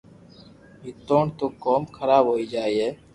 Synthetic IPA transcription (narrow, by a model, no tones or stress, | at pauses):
ɦɪt̪oːɳt̪oːkoːmkʰəɾaːbʱɦoːiːd͡ʒaːiːeː